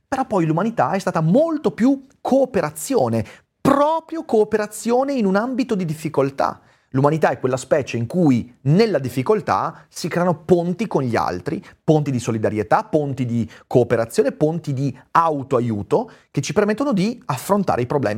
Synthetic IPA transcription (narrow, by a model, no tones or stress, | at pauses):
peɾɔpːɔjlumanit̪aɛst̪aːt̪amolt̪opju | kʰoːpeɾat̪sːjoːne | pɾɔːpɾjokoːpeɾat̪sːjoːneinunambit̪od̪id̪ifːikolt̪a̰ | lumanit̪aɛkːwelːaspɛːt͡ʃeiŋkujnelːad̪ifːikolt̪a̰sikɾɛːanopont̪ikonʎia̰lt̪ɾipont̪id̪isolid̪aɾjet̪apont̪id̪ikoːpeɾat̪sːjoːnepont̪id̪iawt̪oajuːt̪ok̟et͡ʃipermet̪ːonod̪iafːɾont̪a̰ɾʔeipɾoblɛ̰ːmi